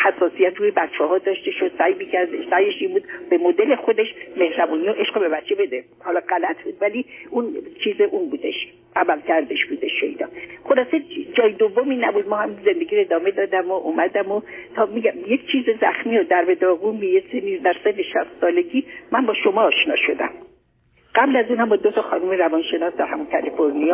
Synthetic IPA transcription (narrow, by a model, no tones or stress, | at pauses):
hæsːɒːsijæt̪ʰɾuːjebætt͡ʃʰːɒɦɒːd̪ɒːʃt̪e̞ʃod̪̥sæjmicʲʰæɾd̪eʃsæjeʃinbuːd̪̥b̥e̞mod̪e̞le̞xo̞d̪eʃme̞hɾæbuːnioʔe̞ʃɡobe̞bætt͡ʃʰe̞be̞d̪e | hɒːlɒɢælæt̪ʰbuːd̪̥væliunt͡ʃʰiːzeʔunbuːd̪eʃ | æmælcʲʰæɾd̪eʃbuːd̪eʃḛjd̪ɒ̰ːχolɒːse̞d͡ʒɒːjed̪ovːomiːnæbud̪̚mɒːhæmize̞nd̪eɡiːɾoed̪ɒːme̞d̪ɒːd̪æmoʔuːmæd̪æmot̪ʰɒːmiːɡæmjek̚ʰt͡ʃʰiːzezæxmiːod̪æɾbe̞d̪ɒːɣunbijesenid̪æɾsefeʃæst̪sɒːle̞ɡiːmænbɒːʃo̞mɒːʃnɒ̰ːʃo̞d̪æ̰m | ɢæblæzuːnhæmbɒːd̪ot̪ʰɒxɒ̰numeɾævɒnʃe̞nɒːsd̪æɾhæmunkʰælifo̞ɾnijɒː